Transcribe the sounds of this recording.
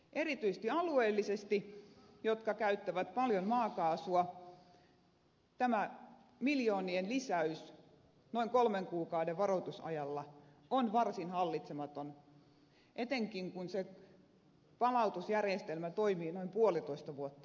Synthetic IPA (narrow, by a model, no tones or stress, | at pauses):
ʔerit̪yist̪iɑlueːlːisest̪ijot̪kɑkæyt̪ːæʋæt̪pɑljonmɑːkɑːsuɑ | t̪æmæ | miljoːnienlisæys | noiŋkolmeŋkuːkɑudeʋʋɑrot̪usɑ̰jɑlːɑ | onʋɑrsinhɑlːit̪semɑt̪on | ʔet̪eŋkiŋkunse | pɑlɑut̪usjærjest̪elmæt̪oimiːnoimpuolit̪oist̪ɑʋuot̪ːɑ̥